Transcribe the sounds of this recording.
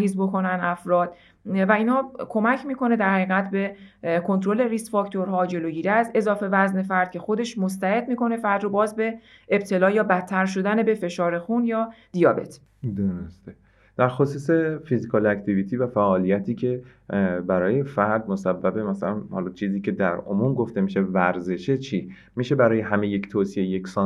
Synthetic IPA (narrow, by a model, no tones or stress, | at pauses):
ɦiːzbo̞kʰo̞nænæfɾɒːd̪̥ | væiːnhɒːkʰo̞mæcʰmiːko̞ne̞d̪æɾhæɣiːɣæt̪ʰbe̞kʰo̞nt̪ɾo̞le̞ɾisfɒːkt̪ʰo̞ɾɦɒːd͡ʒe̞loːɟiːɾiæse̞zɒːfe̞væzne̞fæɾd̪̥̚cʰe̞xo̞d̪e̞ʃmost̪æhe̞d̪̚miːko̞ne̞fæɾd̪ɾobɒːzbe̞ː | b̚t̪ʰe̞lɒːjɒːbæt̪ʰːæɾʃ̬o̞d̪ænebe̞fe̞ʃɒːɾe̞xunjɒːd̪ijɒːbe̞t̪ʰ | d̪oɾost̪e | d̪̥æɾxosuːse̞fizikʰɒːlækt̪ʰiviːt̪ʰiːvæfæʔɒːlijæt̪ʰiːcʰe̞ | bæɾɒːje̞fæɾd̪̚mosæbːæbe̞mæsælænhɒːlɒːt͡ʃʰiːziːcʰe̞d̪æɾo̰mumɡoft̪e̞miʃe̞væɾze̞ʃet͡ʃʰiː | miʃe̞bæɾɒːjeɦæmeject̪ʰoːsiejeksɒː